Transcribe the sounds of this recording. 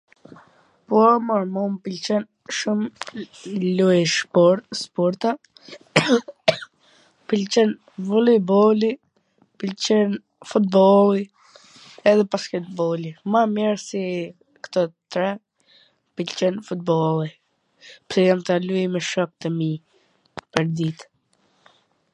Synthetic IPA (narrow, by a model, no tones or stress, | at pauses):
pɔmaɾmɔmpilt͡ʃɛn | ʃum | lujʃpɔɾt̪spɔɾt̪a | pilt͡ʃɛn | vulibɔli | pilt͡ʃɛn | fut̪̚bɔlˠi | ɛðɛpaskɛlbɔlimamjɛɾsi | kt̪ɔt̪ɾɛ | pilt͡ʃɛnfut̪̚bɔli | psijamt̪alujmɛʃɔk̚t̪əmi | pəɾd̪it̪